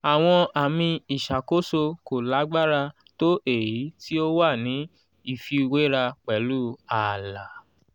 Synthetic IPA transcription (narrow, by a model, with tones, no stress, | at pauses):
a˨w̃ɔ̃˧a˨mĩ˧i˨ʃa˨ko˦so˧ko˨la˨˦ɡ͡ba˦ɾa˧ | to˦ʔe˦˨ji˨˦ti˦o˦wa˦˨nĩ˨˦ | i˦˨fi˧we˨˦ɾa˧k͡pɛ˨˦lu˦a˨la˨